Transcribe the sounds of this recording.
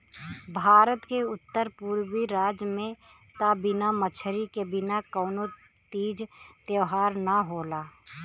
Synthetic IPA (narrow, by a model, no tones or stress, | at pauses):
bʱaːɾət̪keʊt̪ːəɾpuːɾwiɾaːd͡ʒjəmẽ | t̪abɪnamət͡ʃʰəɾikebɪnakɔːno | t̪iːd͡ʒt̪jəːɦaːɾnaɦoːlaː